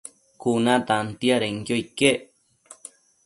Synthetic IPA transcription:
kunãt̪ant̪iaɾeŋkjoike

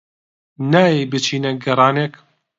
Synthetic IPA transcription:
naːjejbɨt͡ʃʰiːnɐɡɐɾˤɑːneːk

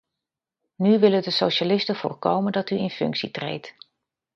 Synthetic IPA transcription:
nyʋɪlədəsowʃalɪstəv̥ʊ̰ːɹkowməndɑtyɪnfɵ̰ŋksitrḛjt

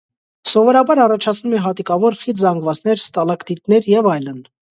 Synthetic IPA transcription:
sɔvɔɾɑbɑɾɑrɑt͡ʃʰɑt͡sʰnumɛɦɑt̪ikɑvɔɾχit̪zɑŋɡvɑt͡sn̪ɛɾst̪ɑlɑkt̪it̪nɛɾjɛvɑjlən

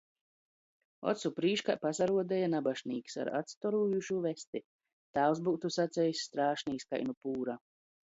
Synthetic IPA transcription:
ɔ̰t̪supɾiːʃkapasaɾuɔd̪ɛjanabaʃniːkʲi̥sa̰ɾa̰t̪st̪ɔɾuːjuʃuvɛst̪i | t̪aːwzbuːt̪usat̪sʲɛjisʲːt̪ɾaːʃniːska̰jnupuːɾa

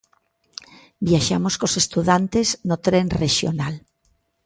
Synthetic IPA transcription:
bjaʃamoskosest̪uðant̪eznot̪ɾenreʃjo̰nal

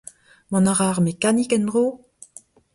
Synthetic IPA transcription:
mɔ̃naʁaːʁmekanikɛnd̪ʁoː

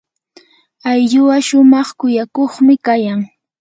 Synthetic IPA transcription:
ajʎʊwaʃʊmɑχkʊjakoχmɪkajaŋ

